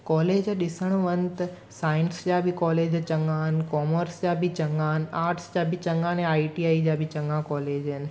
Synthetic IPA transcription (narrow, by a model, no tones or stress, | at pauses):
kɔːleːd͡ʑɗɪsəɽ̃ʋənt̪ɐ | saːɪ̃nsd͡ʒabʱikɔːleːd͡ʑt͡ɕɐ̃ŋɡãɦənkɔːməɾsd͡ʒabʱit͡ʃɐ̃ŋɡãɦnaːɾʈsd͡ʒabʱit͡ɕɐ̃ŋɡãnẽaːiʈiaːid͡ʑabʱit͡ʃɐ̃ŋɡãkɔːleːd͡ʒənɪ̆